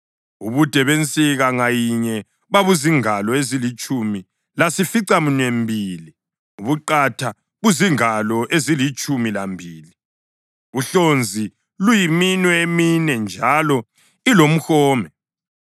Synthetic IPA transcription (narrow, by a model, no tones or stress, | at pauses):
uβud̥ʱɛβent͡sʼiɣaŋajiɲɛ | βaβuziŋalɔezilit͡ʃʼumi | lasifiǀamuɲwembʱili | uβuǃatʰa | ɣuziŋalɔʔezilit͡ʃʼumilambʱiːli | uɬond͡zʱi | lujiminwɛeminɛnd͡ʒʱalɔ | ilom̩xɔːmɛ